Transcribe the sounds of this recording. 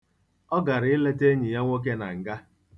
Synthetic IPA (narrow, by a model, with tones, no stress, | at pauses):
ɔ˦ɡa˨ɾɪ˦le˦te˦ɲi˨ja˦ŋʷo˦k̬e˦na̰˨ŋ̩˨ɡa˦